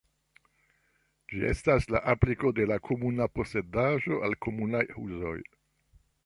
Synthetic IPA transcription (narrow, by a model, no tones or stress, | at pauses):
d͡ʒie̞̰stasla̰ʔapliko̞de̞lakʰo̞munapo̞se̞daʒo̞ʔalko̞munajhṵzo̞̰j